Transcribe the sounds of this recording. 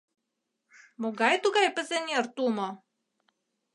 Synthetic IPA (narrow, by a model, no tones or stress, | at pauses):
moɡɑjt̪uɡɑjpɘ̆zɘ̆nʲert̪umo